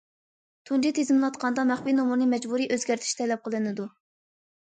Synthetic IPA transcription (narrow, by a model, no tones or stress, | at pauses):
t̪ʰund͡ʒit̪ʰezɨmlˠɑt̪qʰɑnd̪ɑmæχpinomuɾnɨmɛd͡ʒbuɾiʔøzɡʲæɾt̪ʰɪ̥ʃt̪ʰɛlɛp̚qʰəlˠɨnɨd̪u